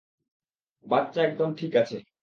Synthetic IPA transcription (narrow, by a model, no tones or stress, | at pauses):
batːɕaɛk̚d̪ɔnʈʰikat͡ɕʰe